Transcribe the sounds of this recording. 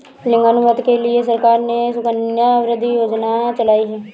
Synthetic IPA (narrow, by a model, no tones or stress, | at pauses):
lɪ̃ŋɡanʊʋət̪kelɪes̬əɾkaːɾnesʊkənjaʋɾɪd̪ʱːijoːd͡ʒnat͡ʃəlaːiɦɛː